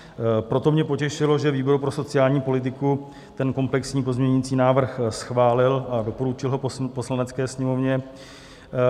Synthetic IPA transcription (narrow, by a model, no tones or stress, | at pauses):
pɾo̞t̪o̞mɲɛpo̞cɛʃɪlo̞ʒɛviːbo̞ɾupɾo̞so̞t͡sɪjaːlɲiːpo̞lɪt̪̬ɪku | t̪ɛnko̞mplɛksɲiːpo̞zmɲɛɲit͡siːnaːvr̩xsxvaːlɪlʔado̞po̞ɾut͡ʃɪlɦo̞ppo̞slanɛt͡skɛːsɲɛmo̞vɲɛ